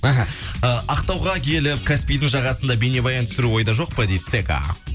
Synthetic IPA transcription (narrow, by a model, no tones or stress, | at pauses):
aɦaəʔɑqt̪ɑwʁɑkʲʰe̞lɪp̚kʰaspijd̪ɪŋʒɑʁɑsənd̪ɑbe̞ne̞bɑjɑnt̪ʰʏ̥sɪɾuwo̞jd̪ɑʒo̞q̚pəd̪ejd̪ɪseka̰